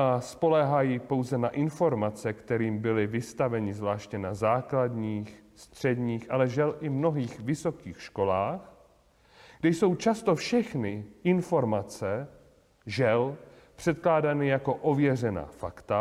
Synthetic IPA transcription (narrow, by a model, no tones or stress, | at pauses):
aspo̞lɛɦajipo̞wzɛnaʔɪnfo̞ɾmat͡sɛkt̪ɛɾiːmbɪlɪvɪst̪avɛɲɪzvlaːʃcɛnazaːkladɲiːxst̪r̝̥ɛdɲiːxʔalɛʒɛlʔɪmno̞ɦiːxvɪso̞kiːxʃko̞laːx | ɡdɛjso̞wt͡ʃast̪o̞fʃɛxnɪʔɪnfo̞ɾmat͡sɛ | ʒɛl | pr̝̥ɛt̪̚klaːdanɪjako̞ʔovjɛr̝ɛna̰ːfakt̪a